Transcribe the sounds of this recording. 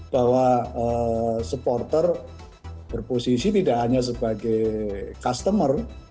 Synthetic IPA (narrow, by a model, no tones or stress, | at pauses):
b̥awaəsəpɔrt̪ər | b̥ərposisit̪idaʔɦaɲas̬əbaɡejkast̪əmər